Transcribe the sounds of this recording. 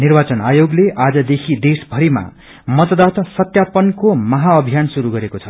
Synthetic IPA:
nirbat͡sʌnajoɡleʔad͡zʌd̪ekʰid̪esbʱʌɾima̰ | mʌt̪ʌd̪at̪ʌsʌt̪japʌnkomʌɦaʌbʱijansuɾuɡʌɾekot͡sʰʌ̥

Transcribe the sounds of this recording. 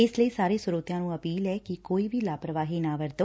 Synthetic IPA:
ɪsləiːsaːɾeːsʊɾoːt̪ɪjãːnũːəpiːlɛːkɪkoːiːʋʱiːlaːpɾəʋaːɦiːnaːʋəɾd̪oː

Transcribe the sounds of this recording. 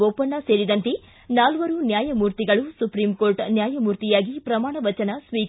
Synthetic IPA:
opːɐɳːɐse̞ːɽid̪ɐnt̪e | naːlʋɐɾunjaːjɐmuːɾt̪iɡɐɭusupɾimkoːɾʈnjaːjɐmuːɾt̪ijaːɡipɾɐmaːɳɐʋɐt͡ʃɐnɐsʋiːk

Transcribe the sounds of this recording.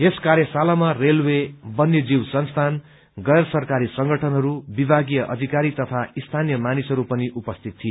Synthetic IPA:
eskaɾjʌsalamarelwebʌnːjed͡ziwsʌnst̪ʰan | ɡʌjrsʌrkaɾisʌŋɡʌʈʰʌnɦʌɾubibʱaɡijʌʔʌd̪ʱikaɾit̪ʌt̪ʰaist̪ʰanjʌmanisɦʌɾupʌniʔupʌst̪ʰit̪̚ːʰije

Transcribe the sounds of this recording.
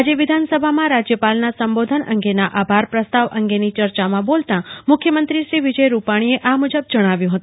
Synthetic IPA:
ad͡ʒeʋɪd̪ʱansəbʱamãɾad͡ʒjəpalnasəmbod̪ʱənʔə̰ŋɡenaʔabʱaɾpɾəst̪aʋʔə̰ŋɡenit͡ʃəɾt͡ʃamãbolt̪ãmʊkʰjəmənt̪ɾiʃɾiʋid͡ʒəjɾupaɽ̃ieʔamud͡ʒəb̚d͡ʒəɽ̃aʋjũɦət̪ũ

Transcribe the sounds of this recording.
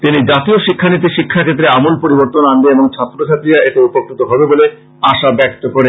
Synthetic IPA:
t̪inid͡ʑat̪ioʃikʰːanit̪̬iʃikʰːakʰet̪ːɾeamolpoɾiboɾt̪onanɡeeboŋt͡ɕʰat̪ːɾot͡ɕʰat̪ɾiaeʈeupokʰːɾit̪oɦɔbebole | aʃabɛk̚t̪okoɾe

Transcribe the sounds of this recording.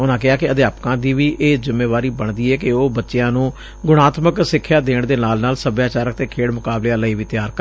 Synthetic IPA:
ʊnãːkɪɦaːkɪəd̪eːaːpkãːd̪iːʋiːʔeːzɪmːeːʋaːɾiːbəɳd̪iːɛːkɪoːbətːʃɪjãːnũː | ɡʊɽ̃aːt̪məksɪkʰːjaːd̪eːɳd̪eːnaːlnaːlsəbjaːt͡ʃaːɾək̚t̪eːkʰeːɽmʊkaːbleãːləiːʋiːt̪jaːɾkə

